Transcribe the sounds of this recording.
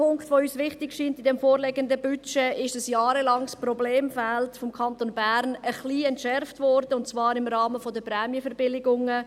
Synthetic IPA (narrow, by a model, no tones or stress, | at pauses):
pʰʊŋktʋoyːsʋɪχtɪkʃiːntɪdɛmfoːɾlɛɡəndəbyt͡ʃɛʔɪʃd̥əsjɑːɾəlɑŋsprɔbleːmfɛltfɔmkʰɑntonbæɾnəχliːɛntʃɛɾftvɔɾdəʊntt͡svɑːɾɪmɾɑːməfɔdəprɛːmjəfɛɾbɪlɪɡʊŋə